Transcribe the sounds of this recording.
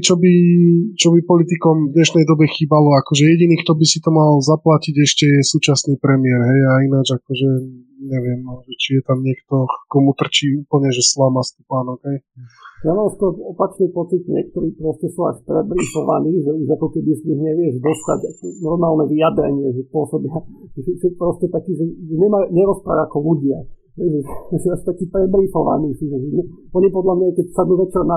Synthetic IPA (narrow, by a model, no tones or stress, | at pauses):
ɛt͡ʃɔbit͡ʃɔbipɔlit̪̬ikɔmvd̪ɲɛʃnɛjd̪ɔbɛxiːbalɔakɔʒɛjɛɟiniːkt̪ɔbisit̪ɔmalzaplaciɟɛʃcɛjɛsuːt͡ʃasniːpɾɛmɪɛɾɦɛjainad͡ʒakɔʒɛ | ɲɛʋɪɛmʒɛt͡ʃijɛt̪amɲɪɛkt̪ɔkɔmut̪r̩t͡ʃiːuːpl̩ɲɛʒɛslamast̪upaːnɔɡɦɛjjamaːmskɔɾɔɔpat͡ʃnipɔt͡sid̪ɲɪɛ̰k̚t̪ɔɾiːpɾɔscɛsua̰ʃpɾɛbɾixɔʋa̰niːʒɛiakɔkɛbisiɣɲɛʋɪɛʒd̪ɔst̪a̰ɟakɔnɔɾmaːlnɛʋijad̪ɾɛ̰ɲɪɛʒɛspʊɔsɔbɪaʒ̥ɛɛsɛpɾɔscɛt̪akiːʒɛʒɛɲɛmajuɲɛɾɔspɾa̰aakɔluɟɪa | ɦɛjʒɛʒɛasi̥t̪akiːpɾɛbɾifɔʋa̰niːsiʒɛʒɛɲɛ | ɔɲipɔd̪lamɲakɛcsad̪nuːʋɛt͡ʃɛɾna